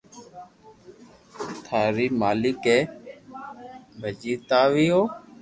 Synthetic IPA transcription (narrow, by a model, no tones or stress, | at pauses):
t̪ʰaːɾiːmaːlɪkeː | bʱəd͡ʒiːt̪aːʋiːoː